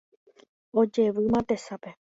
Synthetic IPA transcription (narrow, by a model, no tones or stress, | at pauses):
o̞d͡ʒe̞ʋɨmãt̪e̞sape